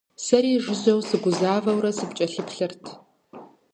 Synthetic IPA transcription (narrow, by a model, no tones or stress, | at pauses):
sɐɾiːʐʷɪʑɐwsɨɡʷʊzaːvɐwɾɐsɨpt͡ʃʼɐɬɨpʰɬɨrtʰ